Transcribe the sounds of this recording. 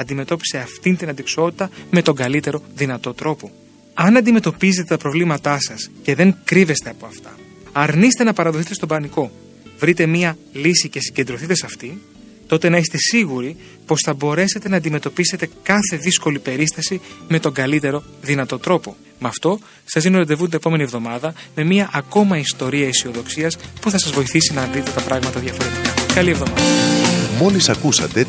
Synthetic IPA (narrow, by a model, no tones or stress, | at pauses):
ɐnd̪ime̞t̪o̞pi̥se̞ɐft̪int̪inɐnd̪ikso̞t̪i̥t̪ɐme̞t̪o̞ŋɡɐlit̪e̞ɾo̞ðinɐt̪o̞t̪ɾo̞po̞ | ɐnɐnd̪ime̞t̪o̞pizet̪et̪ɐpɾo̞vlimɐt̪ɐsɐsce̞ðe̞ŋkɾive̞st̪e̞ɐpo̞ɐft̪ɐ̰ | ɐɾniset̪e̞nɐpɐɾɐðo̞θit̪e̞st̪o̞bɐniko̞ | vɾit̪e̞miɐlisice̞siɟe̞nd̪ɾoθit̪e̞sɐft̪in | t̪o̞t̪e̞nɐist̪e̞siɣuɾi | po̞sθɐbo̞ɾe̞se̞t̪e̞nɐːnd̪ime̞t̪o̞pise̞t̪e̞kɐθe̞ðisko̞lipe̞ɾist̪ɐsime̞t̪o̞ŋɡɐlit̪e̞ɾo̞ | ðinɐt̪o̞t̪ɾo̞po̞ | mɐft̪o̞ | sɐzðino̞ɾed̪e̞vund̪nepo̞me̞nie̞vðo̞mɐðɐme̞miɐʔːko̞mɐist̪o̞ɾiɐisio̞ðo̞ksiɐspuθɐsɐzvo̞iθisinɐːnd̪it̪e̞t̪ɐpɾɐɣmɐt̪ɐðʝɐfo̞ɾe̞t̪ikɐkɐlievðo̞mɐðɐmo̞lisɐkusɐ̰t̪e̞